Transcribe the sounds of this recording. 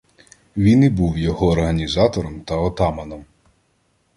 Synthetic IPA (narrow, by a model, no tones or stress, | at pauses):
ʋʲinibuwjɔɦɔːrɦɐnʲizɑt̪ɔɾɔmt̪ɐɔt̪ɑmɐnɔm